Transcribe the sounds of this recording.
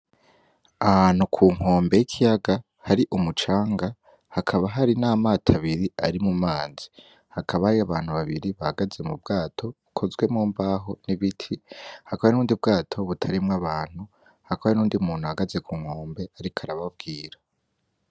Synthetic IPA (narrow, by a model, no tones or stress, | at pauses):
ahaːn̥ukʰuːŋ̥ho̞ːmbe̞jikʰijaɡa | haɾiʔumut͡ʃaːŋɡa | hakʰaβaɦaɾinaːmaːtʰaβiɾiaɾimumaːz̥i̥ | hakʰaβahaɾiaβaːn̥huβaβiɾiβahaɡaze̞mubɡaːtʰo̞βukʰo̞zɡwe̞mŋuːmbaɦo̞niβitʰihakoaenuːndib̚ɡaːtʰo̞βutʰaɾimŋaβaːn̥hu | hakʰoβaenuːndimuːn̥huhaɡaze̞kʰuːŋ̥hoːmbe̞aɾikʰaɾaβab̚ɡiːɾa